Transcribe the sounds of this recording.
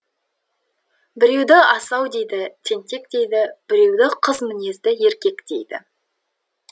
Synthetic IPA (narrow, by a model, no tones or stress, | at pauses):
bɪɾe̞wd̪ɪɑsɑwd̪e̞jd̪ɪt̪ʲʰe̞nt̪e̞k̚t̪e̞jd̪ɪb̥ɪɾe̞wd̪ɪqʰəzmɪne̞zd̪ɪje̞ɾkʲe̞kt̪e̞̰jd̪ɪ̰